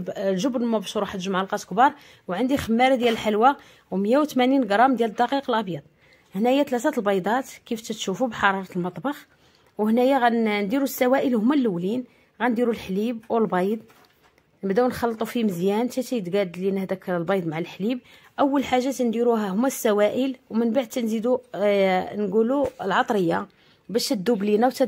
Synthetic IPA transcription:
lʒʊbnmæbæʃɾuħt̪ʒəmʕəlqɑt̪kbɑɾˤ | wʕand̪ixəmːæɾæd̪jæləlħalwa | wmjæwt̪mæninɡɾˤɑmd̪jæləd̪ːɑqiqəlʔɑbjɑd̪̚ˤ | hnæjæt̪læt̪æt̪lbɑjd̪ˤɑt̪kift̪æt̪ʃufubħɑɾˤɑɾˤɑt̪əlmɑt̪ˤbɑx | whnæjaɣænd̪iɾusːæwæʔəlhʊmːælːəwːlin | ɣænd̪iɾulħlibwəlbɑjd̪ˤ | nəbd̪æwnxɑlːt̪ˤufiməzjænt̪æt̪æjd̪ɡæd̪linəhd̪ækːəlbɑjd̪ˤmaʕalħlib̚ | ʔəwːəlħaʒːat̪ænd̪iɾuɦæhʊmːæsːæwæʔəlwmənbaʕd̪̚t̪ænzid̪u | nɡuluəlʕɑt̪ˤɾəjːa | bæʃəd̪ːublinawt̪æ

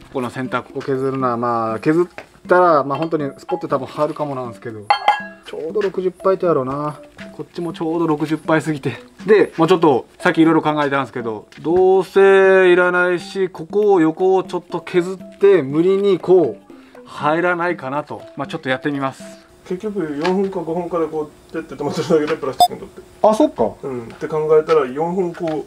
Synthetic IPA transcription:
koko̞no̞sẽ̞nt̪ako̥koke̞zɨɾɯ̟noamaːke̞zɨt̪ː | aɾamaːɦo̞nt̪o̞ɲ̟isɨ̥po̞t̪ːt̪abɯ̟̃haɾɯ̟kamo̞nãsɨ̥ke̞d̪o̞t͡ɕo̞ːd̪o̞ɾo̞kɯ̟ʑɯpːait̪ejaɾo̞nako̞t͡ɕːimo̞t͡ɕo̞ːd̪o̞ɾo̞kɯ̟ʑɨpːais̬ɨɡʲit̪e̞d̪e̞moːt͡ɕo̞t̪̬ːo̞sakʲːiːɾo̞iɾo̞kãŋɡae̞t̪ãm̃sɨ̥ke̞d̪o̞̰d̪o̞ːse̞iɾanaiɕiko̞ko̞ːjo̞ko̞ːt͡ɕo̞t̪ːo̞kʲʰe̞zɨt̪ːe̞mɯ̟ɾʲiɲ̟iko̞ːhaeɾanaikanat̪o̞̰mat͡ɕo̞t̪ːo̞jat̪ːe̞mʲimasɨ̥ | ke̞kʲːo̞k̬ɯ̟jõ̞ɰ̃ɸɯ̟̃ŋkaɡo̞hɯ̃ŋkad̪ekoːt̪ːet̪ːet̪omat͡sɨɾaɡet̪epɯɾast͡ɕi̥kːɯnt̪ot̪ːe | aso̞kːa̰ɯ̟̃ɴt̪ːe̞kãŋɡae̞t̪aɾajõ̞ɰ̃ɸɯ̟̃ŋkoː

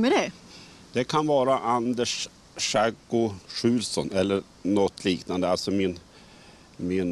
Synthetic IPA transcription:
mɛdɛ | d̪̥ɛkʰanvɑːɾaʔand̪əʂ | aɡʊʂʉ̟ːlsɔnɛlːəɾ | nɔt̪ʰːliːknand̪əalsɔmɪn | mɪn

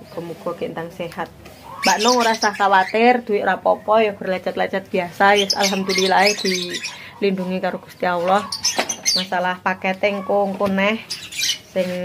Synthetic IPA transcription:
kɔmukukint̪aŋsɛhat̪̚ | baʔnɔŋuɾahsahkawat̪ɪrd̪uiʔɾapɔpɔjɔbərlat͡ʃat̪̚lat͡ʃat̪̚b̥iasajʊsa̰lɦamd̪ulilaɛhd̪̥i | linduŋikaɾoɡ̥u̥st̪iaulɔhmasalahpakɛt̪ɛŋkuŋkunɛhsɪŋ

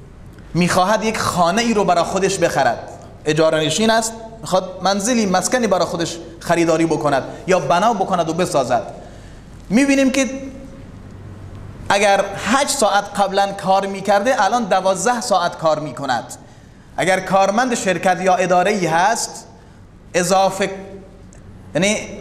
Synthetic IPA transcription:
miːxɒːɦæd̪jekxɒːneiːɾobæɾɒːxod̪eʃbe̞xæɾæ̰d̪̥ | e̞d͡ʒɒːɾeneʃiːnæst̪̚miːxɑːd̪̚mænzeliːmæskæniːbæɾɒːxod̪eʃ | χæɾiːd̪ɒːɾiːbokonæd̪jɒːbænɒːbokonæd̪obe̞sɒːzæ̰d̪̥ | miːbiːniːmke | ʔæɡæɾhæd͡ʒsɒːʔæt̪qæblænkʰɒːɾmiːkʰæɾd̪eʔælɒːnd̪ævɒːzd̪æhsɒːʔæt̪kʰɒːɾmiːkʰonæ̰d̪̥ | ʔæ̰ɡæɾkʰɒːɾmænd̪eʃeɾkæt̪jɒːʔe̞d̪ɒːɾeiːɦæst̪ | ʔezɒːfe | jæniː

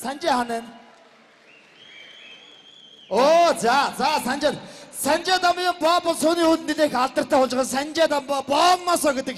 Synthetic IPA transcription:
sant͡ɕeːχaneːn | oːt͡sat͡sasanʲt͡ɕensænt͡ɕeːt̪amjempɔːpɔɮsʊːniːut̪nːiɮeːxaɮt̪ə̆r̥t̪ʰæːχʊɮt͡ɕʁə̆nsænt͡ɕeːt̪ampɔpɔːnnasɔːɡet̪ə̆k

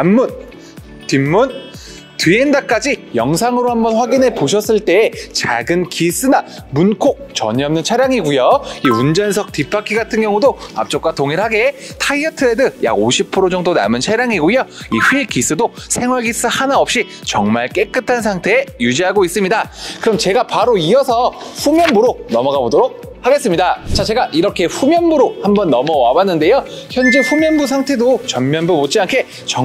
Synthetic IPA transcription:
amːun | timːun | tɥiendak͈ad͡ʑijʌŋsʰaŋɯɾohambʌnɸwaɡinepoɕʰʌs͈ɯɭt͈e̞ːt͡ɕa̰ɡɯnkis͈ɯna | munkʰok̚t͡ɕʌɲʌmnɯnt͡ɕʰaɾjaŋiɡujoiund͡ʑʌnsʰʌk̚tipʰakʰiɡatʰɯnɡjʌŋudoa̰p̚t͡ɕ͈ok͈watoŋiɾhaɡe̞tʰaiʌtʰɯɾedɯja̰ɡoɕʰippʰɯɾod͡ʑʌŋdona̰mɯnt͡ɕʰaɾjaŋiɡujoiɸikis͈ɯdosʰe̞ŋwʌɭɡis͈ɯhanaʌp̚ɕ͈i | t͡ɕʌŋmaɭk͈e̞k͈ɯtʰansʰaŋtʰe̞ːjud͡ʑiɦaɡois͈ɯmɲidakɯɾʌmt͡ɕe̞ɡapaɾoiʌsʰʌɸumjʌnbuɾonʌmʌɡabodoɾok̚ | haɡe̞s͈ɯmɲidat͡ɕat͡ɕʰe̞ɡaʔiɾʌkʰe̞ɸumjʌnbuɾohambʌnːʌmʌwabanːɯnde̞joçjʌnd͡ʑeɸumjʌnbus̬ʰaŋtʰe̞dot͡ɕʌmmjʌnbumot̚t͡ɕ͈iankʰe̞ | t͡ɕʌ

